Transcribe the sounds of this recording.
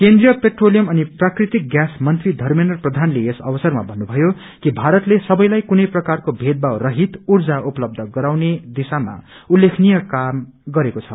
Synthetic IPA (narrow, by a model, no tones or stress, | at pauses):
kend̪rijʌpeʈrolijʌmʌniprakrit̪ik̚ɡjasmʌnt̪rid̪ʱʌrmenʌrprʌd̪ʱanleesʌ̰bʌsʌrma̰bʱʌnːubʱʌjo | kibʱaɾʌt̪lesʌbʌjlajkunʌjprʌkarkobʱed̪̚bawrʌɦit̪urd͡zaupʌlʌb̚d̪ʱʌɡʌɾawned̪isama̰ulːekʰnijʌkamɡʌɾekot͡sʰʌ